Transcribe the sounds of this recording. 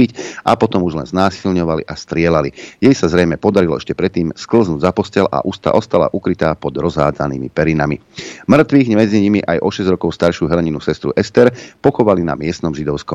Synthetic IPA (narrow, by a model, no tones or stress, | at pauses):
icʔa̰pɔt̪ɔmuʒlɛ̰nznaːsilɲɔʋalḭʔast̪ɾɪɛlalijɛjsazɾɛjmɛpɔd̪aɾilɔɛʃcɛpɾɛt̪ːiːmskl̩znuːɟzapɔscɛlʔa̰ʔust̪a̰ʔɔst̪ala̰ʔukɾit̪aːpɔd̪ɾɔzɦa̰ːd͡zanḭːmḭpɛɾina̰mimr̩t̪ʋiːɣmɛd͡ziɲimiʔajʔɔʃɛzɟɾɔkɔʊst̪aɾʃɪuɦɛlɛɲinusɛst̪ɾṵʔɛst̪ɛɾpɔxɔʋalina̰mɪɛst̪nɔmʒid̪ɔʊskɔm